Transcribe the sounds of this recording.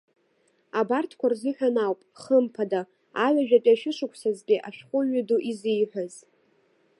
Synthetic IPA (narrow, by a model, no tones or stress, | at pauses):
abartʰkʷʰarzɨħʷᶣanawpʼχəmpʰada | aɥʷaʒᶣatʼiaʃɪʂɨkʷʰsazɡʲiʔa̰ʃᶣχʷʼʊɥʏduʔizijħʷᶣaz